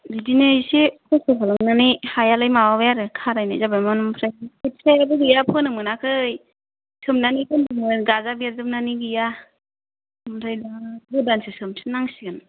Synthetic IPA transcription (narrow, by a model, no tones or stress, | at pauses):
didinɯjsekʰɔsɯkʰalɯŋnanihajalɯjmawabjaɾɯkʰaɾajnazabajmanumpʰɾajikʰɯtsajabɯɡɯjapʰɯnɯmɯnakʰɯj | sʰɯmnanikʰɯndɯmɯɡazabiazɯmnaniɡɯja | mdʰajdabɯdansesɯmsi̥naŋsiɡɯn